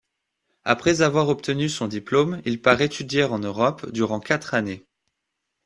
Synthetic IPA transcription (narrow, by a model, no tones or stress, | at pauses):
a̰pχɛzavwaʁɔp̚t̪ənysɔ̃d̪iplomilpaʁet̪yd̪jɛʁɑ̃nøʁɔpd̪yʁɑ̃kʲat̪χane